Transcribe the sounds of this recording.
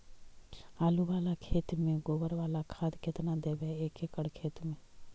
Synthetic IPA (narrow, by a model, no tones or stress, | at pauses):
aːluʋaːlakʰeːt̪mẽɡoːbəɾʋaːlakʰaːd̪kɪt̪nad̪eːbeeːkekəɽkʰeːt̪mẽ